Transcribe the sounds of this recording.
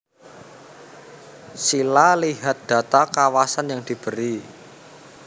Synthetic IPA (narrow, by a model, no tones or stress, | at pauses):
silaliɦat̪̚d̪̥ä̤t̪akawasanjaŋd̪̥i̤b̥ə̤ɾi